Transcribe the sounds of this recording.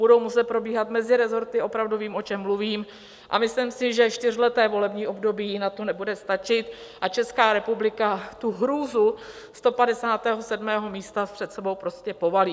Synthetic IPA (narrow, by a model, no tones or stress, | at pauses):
budo̞wmusɛt̪̚pɾo̞biːɦat̪mɛzɪɾɛzo̞ɾt̪ɪo̞pɾavduviːmʔo̞t͡ʃɛmːluviːm | ʔa̰mɪslimsɪʒɛʃt̪ɪr̝lɛt̪ɛːvo̞lɛbɲiːʔo̞bdo̞biːnat̪onɛbudɛst̪at͡ʃɪt̪ʔat͡ʃɛskaːɾɛpublɪkat̪uɦɾuːzu | st̪o̞padɛsaːt̪ɛːɦosɛdmɛːɦo̞miːst̪apr̥ɛt̪sɛbo̞wpɾo̞scɛpo̞valiː